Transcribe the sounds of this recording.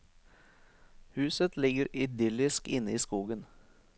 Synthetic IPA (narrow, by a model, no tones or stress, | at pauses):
hʉːsət̪lɪɡəɾʏd̪ʏlɪskɪnːəiːskuːɡən